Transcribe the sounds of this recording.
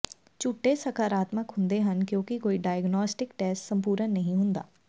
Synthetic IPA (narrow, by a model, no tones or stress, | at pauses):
t͡ʃʊʈːesɐkaːɾaːt̪məkɦʊ̃nd̪eɦɐnkjõːkikoːiɖaːjəɡnɔːsʈɪkʈɛːsʈsɐ̃mpuːɾənːɐɦĩɦʊ̃nd̪a̰ː